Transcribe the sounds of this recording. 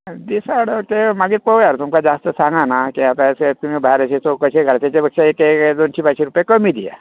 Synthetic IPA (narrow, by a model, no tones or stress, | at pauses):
d̪isaɽokemaɡiːpəʋjaɾt̪umkad͡zast̪əsãŋɡanakiɦat̪aset̪umibʱaɾaɕet͡sokəɕeɡʱaɭat̪jat͡ɕebəkʂaeked̪ont͡ɕipaɕiɾupjekəmid̪ija̰